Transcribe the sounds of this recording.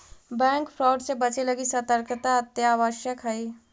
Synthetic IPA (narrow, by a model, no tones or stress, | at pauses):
bɛ̃ːŋkfʰɾɔːɖsebɐt͡ʃelɐɡisət̪əɾkt̪aɐt̪jaːʋəʃjəkɦɐiː